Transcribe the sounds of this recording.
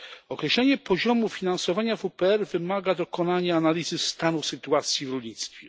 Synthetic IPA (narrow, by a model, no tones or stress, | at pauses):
ɔkɾɛɕlɛɲɛpɔʑɔmufʲinansɔvaɲavupɛɛɾvɘmaɡad̪ɔkɔnaɲɛanalʲizɘst̪anusɘt̪uat̪sʲjivɾɔlʲɲit̪st̪fʲjɛ